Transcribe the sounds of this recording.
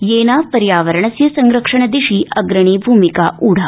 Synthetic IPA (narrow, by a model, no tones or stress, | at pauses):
jeːnapɐɾjaːʋəɾəɳɐsjɐsɐŋɡɾəkʂəɳəd̪iʂiːʔɐɡɾɐɳ̃iːbʱuːmikaʔuːɽ̤a